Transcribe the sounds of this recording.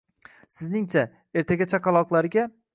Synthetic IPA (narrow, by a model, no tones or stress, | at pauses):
sɪznɪŋt͡ʃʰa | e̞ɾt̪ʰaɡʲat͡ʃʰakɑlˠɒqlˠaɾɪɡʲa